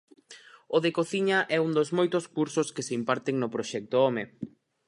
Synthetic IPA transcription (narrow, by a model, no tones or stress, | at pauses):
ʊðekoθiɲɐʔɛuŋd̪ozmojt̪ʊskuɾsʊskeseimpaɾt̪eŋnʊpɾoʃɛk̚t̪ʊɔme